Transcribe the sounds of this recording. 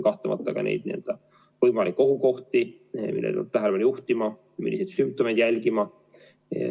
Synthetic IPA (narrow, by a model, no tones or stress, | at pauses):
kɑht̪lɑmɑ̰t̪ːˑɑkɑ̰nḛjd̪̥̚nield̪̥ɑ | vɤjmɑlikːˑo̞ɦuko̞ht̪i | mḭlːḛṵt̪ːæɦælepɑnjuht̪imɑ | mḭlːisejd̪symp̚t̪o̞mejd̪jælʲɡ̥imɑ